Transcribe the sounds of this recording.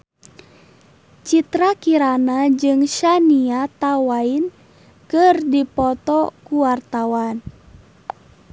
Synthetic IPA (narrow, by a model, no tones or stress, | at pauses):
t͡ʃit̪ɾakiɾanad͡ʒɨŋʃaniat̪awain | kɨrdipɔt̪ɔkuwart̪awan